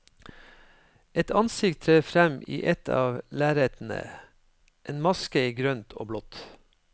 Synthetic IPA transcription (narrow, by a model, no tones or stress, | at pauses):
ɛt̪ʰɑnsɪkt̪ʰɾeːfɾɛmḭːʔɛt̪ʰɑ̰ːʋlæːɾeːt̪n̩ə̰ | ʔeːnmɑskəiːɡɾœnt̪ʰo̰ːblɔt̪